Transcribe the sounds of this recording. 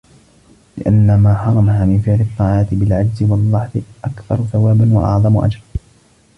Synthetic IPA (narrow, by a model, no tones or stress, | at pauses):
lɪ̰ʔanːamaːħɑɾˤɑmaɦaːmɪnfɪʕlɪt̪ˤːɑːʕɑːt̪ɪbɪlʕad͡ʒzɪwɑlˤːɑħðˤɨʔakθɑɾˤθawaːbanwa̰ʔɑ̰ʕðˤɑmʊʔa̰d͡ʒɾ